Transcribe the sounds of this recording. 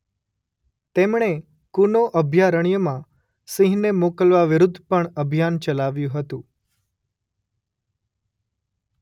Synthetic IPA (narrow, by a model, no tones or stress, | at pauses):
t̪emɳe | kunoʔəbʱjaɾəɳ̃jəmã | sĩɦnemokəlʋaʋɪɾʊd̪ʱːpəɳəbʱijant͡ʃəlaʋjũɦət̪ũ